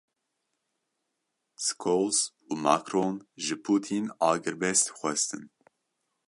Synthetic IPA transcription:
skʰolz | uːmakɾoːnʒɨpʰuːt̪ʰinɑːɡɨɾbɛst̪xʷɛst̪ʰɨn

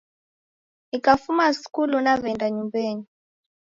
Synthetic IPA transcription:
ikafumasi̥kulunavɛndaɲumbeːɲi

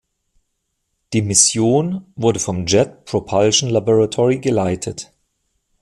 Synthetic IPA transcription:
d̥iːmɪsjoːnvʊɐdəfɔmd͡ʒɛt̚pʁ̥opʰalʃn̩laboʁatʰɔʁiɡəlaɪtʰət

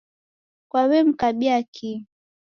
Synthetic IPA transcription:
kwawɛm̩kaɓiakʰi

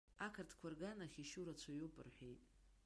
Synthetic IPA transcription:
akʰartʰkʷʰarɡanaχʲiʃuɾat͡ɕʷʰajopʼɨ̰rħʷᶣejtʼ

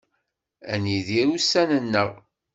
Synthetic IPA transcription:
æniðiɾusænənːəʁ

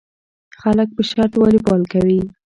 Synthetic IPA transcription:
xalək̚pəʃaɾt̪wɑlipɑlkawi

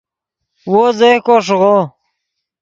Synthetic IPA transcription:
wozekoʂ̬ɣo

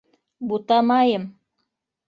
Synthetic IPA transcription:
but̪ɑmɑjɤm

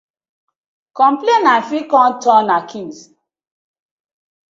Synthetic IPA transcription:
kɔ̃mplenafikɔ̃ntɔ̃nakʰĩns

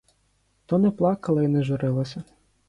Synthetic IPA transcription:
t̪ɔnɛplˠɑkɐlˠɐinɛʒʊɾɪlˠɐsʲɐ

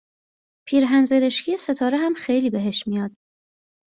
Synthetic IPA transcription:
pʰiːɾɦænzeɾeʃcʰijese̞t̪ʰɒːɾeɦæmxejliːbe̞ɦe̞ʃmijɒːd̪̥̚

